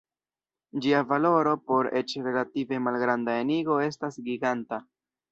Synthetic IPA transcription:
d͡ʒiavalo̞ɾo̞po̞ɾe̞t͡ʃɾe̞lative̞malɡɾandaeniɡo̞e̞stasɡiɡanta

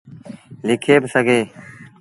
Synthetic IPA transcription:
likʰeːbsəɡeː

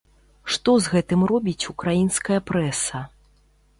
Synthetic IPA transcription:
ʂt̪ɔzɣɛt̪ɨmrɔbʲit͡sʲukɾajinskɐjɐpɾɛsɐ

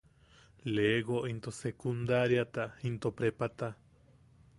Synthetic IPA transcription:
leɡoʔint̪osekund̪aɾjat̪aint̪opɾepat̪a

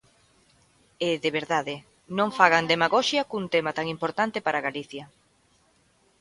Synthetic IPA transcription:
eðeβeɾðaðɪ | nõŋfaɣand̪emaɣoʃjɐkunt̪emat̪aŋimpoɾt̪ant̪ɪpaɾaɣaliθjɐ

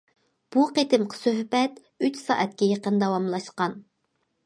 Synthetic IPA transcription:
b̥uqet̪ɪmqʰə̥søhbɛt̪ | yt͡ʃsɑ̰ːʔɛt̪̚kʲɛjeqənd̪ɛwɑmlˠɑʃqɑn

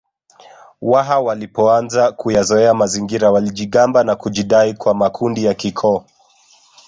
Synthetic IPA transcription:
waɦawalipɔanzakujazɔɛamaziŋɡiɾawaliʄiɠambanakuʄiɗaikwamakʰundijakikʰɔː

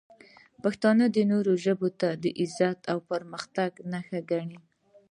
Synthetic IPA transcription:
paxt̪ɑnəd̪ənoɾoʒəbot̪ad̪əʔɪzat̪awpəɾməxt̪aɡnaxaɡaɳi

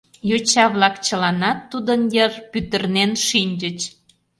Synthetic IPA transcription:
jot͡ɕɑβlɑkt͡ɕəlɑnɑt̪ːud̪ənjərpyt̪ərnenʃinʲd͡ʑət͡ɕ

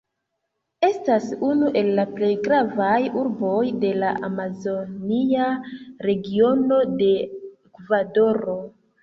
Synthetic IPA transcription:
e̞stasunuʔe̞lːaple̞jɡɾavajuɾbo̞jde̞laʔamazo̞niaɾe̞ɡio̞no̞de̞ | kvado̞ɾo̞

